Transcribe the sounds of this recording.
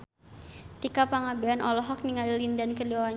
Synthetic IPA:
t̪ikapaŋabɛanʔɔlɔɦɔk̚niŋalilindankəliwawa

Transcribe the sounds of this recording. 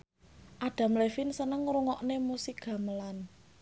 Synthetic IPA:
ʔaɖ̥a̤mlefinsənəŋɾuŋɔʔnemusik̚ɡ̥a̤məlan

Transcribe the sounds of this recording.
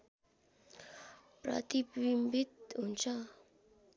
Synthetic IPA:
pɾʌ̰t̪ipwimbit̪̚ɦunt͡sʰʌ

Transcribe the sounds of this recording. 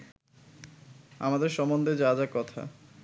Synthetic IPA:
amad̪eɾʃɔmond̪ed͡ʑad͡ʑakɔt̪ʰa̰

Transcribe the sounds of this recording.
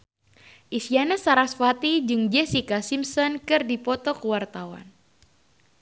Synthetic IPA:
ʔisianasaɾasfwat̪id͡ʒɨŋd͡ʒɛsikasimsɔnkɨrdipɔt̪ɔkəwart̪awa̰n

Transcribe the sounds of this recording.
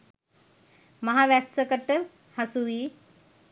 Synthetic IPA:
mɐɦaʋæsːəkəʈə | hasuʋiː

